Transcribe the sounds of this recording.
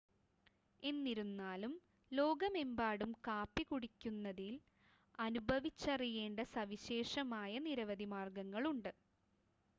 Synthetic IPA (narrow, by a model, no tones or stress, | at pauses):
e̞nːiɾunːaːlum | lo̞ːɡɐme̞mbaːɽumkaːpːikuɽikʲːunːɐðil | ɐnubʱɐʋit͡ɕːɐrije̞ːɳɖɐsɐʋiɕe̞ːʂɐmaːjɐniɾɐʋɐd̪imaːrɡɐŋːɐɭuɳɖɨ